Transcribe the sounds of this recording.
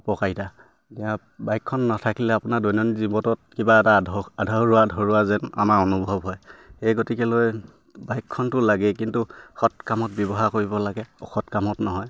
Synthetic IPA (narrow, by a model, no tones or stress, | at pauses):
pɔkajta | tɛã | bajkʰːɔnːatʰakilɛapʊnadɔjnɔnizibɔtɔt̚kibaɛtaadʱaɹuadʱɔɹuazɛna̰maɹonubʱɔbɦɔjxejɡotikɛloj | bajkʰːɔntʊlaɡɛkintuxɔtkamɔt̚bjɔbɔɦakoɹibɔlaɡɛɔ̰xɔtkamɔtnɔɦɔj